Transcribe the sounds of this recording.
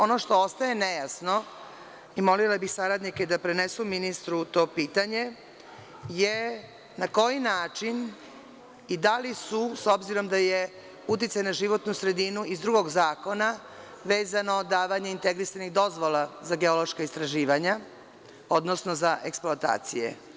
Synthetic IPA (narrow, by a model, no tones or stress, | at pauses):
o̞no̞ʃt̪o̞ost̪aje̞nejasno̞ | imo̞lilabixsaɾad̪nike̞d̪apɾenesuminist̪ɾut̪o̞ːpiːt̪aɲe̞ | je̞ | nako̞jinaːt͡ʃin | id̪alisuso̞bziɾo̞md̪aje | ut̪̬it̪sajnaʒiʋo̞t̪nusɾe̞d̪inuizd̪ɾuɡo̞ɡzaːko̞na | ʋe̞ːzanod̪aːʋaɲeint̪e̞ɡɾisaniɣd̪o̞zʋolazaɡe̞o̞loʃkaist̪ɾaʒiːʋaɲa | o̞d̪no̞sno̞zaʔe̞ksploat̪a̰ːt̪sijḛ